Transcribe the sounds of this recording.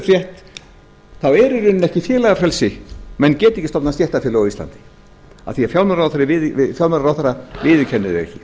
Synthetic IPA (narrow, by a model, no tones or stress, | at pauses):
fɾjɛht̪ | θawɛɾʏɾʏnɛhcɪfjɛːlaɣafɾɛlsɪmɛnːcɛːt̪ɪihcːɪst̪ɔpnasɛht̪afjɪːlʏawist̪a̰nt̪ɪ̥ | a̰ðθiafjawlmɛnɾawθaɾɪvɪɪfjalmɛɾɾawθaɾavɪːðɪcʰɛnːɪðɪ̰ɣɛ̰cɪ